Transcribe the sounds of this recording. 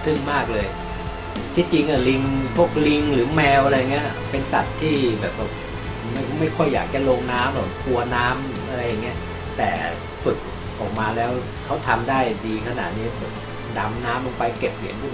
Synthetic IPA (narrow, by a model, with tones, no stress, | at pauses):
t̪ʰɯ˥˩ŋmaː˥˩k̚lɤː˧j | t̪ʰiː˧˥˩t͡ɕi˧ŋʔa˨˩li˧ŋpʰo˦˥˩p̚li˧ŋɾɯː˨˩˦mɛː˧wʔa˧ɾa˧ja˨˩ŋi˦˥ɐʔpe˧nsa˨˩t̪ʰːiː˥˩bɛː˨˩p̚ːɔ˨˧˩p | ma˥˩˥ma˥˩jkʰɔ˥˩jːa̰ː˨˩k̚t͡ɕa˧˩loː˧ŋnaː˦˥mlɔː˨˩kʰu˧ɐnaː˦˥m˦ʔa˧ɾa˧jːa˨˩ŋːi˦˥ɐ | t̪ɛː˨˩ | fɯ˨˩k̚ | ʔɔː˨˩k̚maː˧lɛː˦˥w | kʰa˦˥wt̪ʰa˧mdaː˥˩jdiː˧kʰa˧na̰˨˩t̪̚niː˦˥bɛː˨˩p̚ | da˧mnaː˦˥mʔlo˧ŋpa˧jke˨˩p̚lḭ˨˩˦ənpʰu˧˩